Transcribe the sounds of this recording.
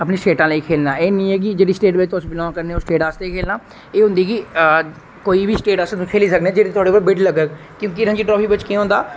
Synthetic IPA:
əpneːsʈeːʈãːləiːkʰeːlnaːeːnĩːɛːk̬ɪd͡ʒeːɽiːsʈeːʈʋet̪ːsbɪlɔ̃ːkəɾneːoːsʈeːʈaːst̪eikʰeːlnaː | eːɦʊ̃nd̪iːki | koːiːbʱiːsʈeːʈaːsnũːkʰeːliːsəkneːɛd͡ʒeːɽiːt̪ʊoaːɽeːpaɾbɪɖləɡə | kjõːk̬iɾə̃nd͡ʒiːʈɾɔːpʰiːʋɪt͡ʃkĩːɦʊ̃nd̪aː

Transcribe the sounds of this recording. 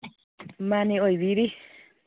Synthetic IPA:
maniojwiɾi

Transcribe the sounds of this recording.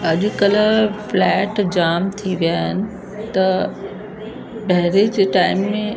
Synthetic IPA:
ɐʄ̆kɐləflɛːʈd͡ʑaːmt̪ʰiʋijaːɦɪnɪ̆ | t̪ɐ | bɐɦɪɾed͡ʑeʈaːɪmːẽ

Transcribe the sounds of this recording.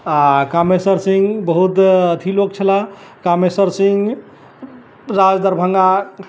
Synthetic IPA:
akamesəɾsĩŋɡbəɦut̪ət̪ʰilok̚t͡ʃʰəlakamesəɾsĩŋɡ | ɾad͡ʒd̪əɾbʱəŋɡa

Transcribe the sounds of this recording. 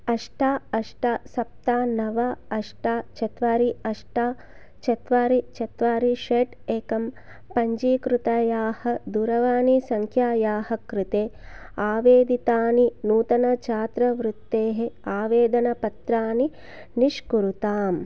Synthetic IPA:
ɐʂʈaːɐʂʈaːsɐp̚t̪aːnɐʋɐɐʂʈaːt͡ʃɐt̪ʋaːɾiɐʂʈaː | t͡ʃɐt̪ʋaːɾit͡ʃɐt̪ʋaːɾiʃeːʈ | eːkɐm | pɐɲd͡ʒiːkɾut̪aːjaːhɐd̪uɾɐʋaːnisɐŋkʰjaːjaːhɐkɾɪt̪eːaːʋeːd̪it̪aːninuːt̪ɐnɐt͡ʃaːt̪ɾɐʋɾut̪ːeːɦeaːʋeːd̪ɐnɐpɐt̪ɾaːni | niʃkuɾut̪aːm

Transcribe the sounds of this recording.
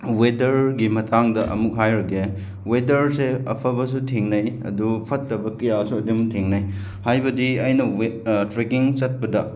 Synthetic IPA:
wedɐɾɡimɐtʰaŋdɐʔɐ̰muk̚ɦajɾɐɡe | wedɐɾseɐ̰pʰɐbɐs̬utʰiŋnɐjɐ̰dupʰɐtːɐbɐkɐjasuɐdumtʰiŋnɐj | hajbɐdiɐjnɐtɾekiŋsɐt̚pɐdɐ̰

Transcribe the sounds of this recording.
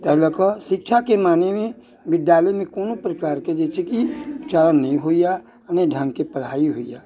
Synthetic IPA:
t̪ɐɦləkəʃɪk̚ʃʰakemaːnemẽ | ʋɪd̪jaːləjmẽkoːnõpɾəkaːɾked͡ʒet͡ʃʰekit͡ʃaːɾənːɐɦĩɦoija | əneɖʱə̃ŋɡkepəɽ̤aːiɦoːijaː

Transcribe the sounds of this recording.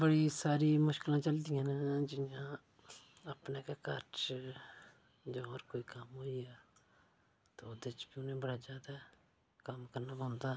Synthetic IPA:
bəɽiːsaːɾiːmʊʃkɪlãːt͡ʃəld̪ijãːnd͡ʒɪjãː | əpneːkaːkəɾt͡ʃ | d͡ʒoːɔːɾkoːiːkəmɦoːiɛː | t̪oːd̪et͡ʃbiʊnẽbəɽaːzjaːd̪aː | kəmkəɾnaːbõnd̪aː

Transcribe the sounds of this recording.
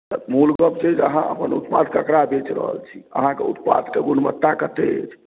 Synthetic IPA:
t̪əmulɡəbt͡ʃed͡ʒəɦãʔə̰pənut̪pad̪kəkɾabet͡ʃɾə̰ɦə̰lt͡ʃʰi̥ə̰ɦãkeut̪pa̰d̪keɡunmət̪ːakət̪eḛt͡ʃʰ

